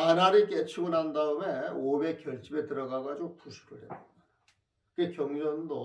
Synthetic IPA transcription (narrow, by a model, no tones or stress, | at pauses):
anaɾek͈et͡ɕʰuɡɯnɦandaɯme̞obe̞kjʌɭt͡ɕ͈ibetɯɾʌɡaɡad͡ʑiɡopuɕʰi̥kʰɯɭɦetidada | kɯɡekjʌŋd͡ʑʌndo